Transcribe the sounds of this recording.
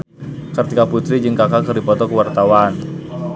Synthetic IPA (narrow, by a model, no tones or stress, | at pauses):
kərt̪ikaput̪ɾid͡ʒɨŋkakakərdipɔt̪ɔkəwart̪awan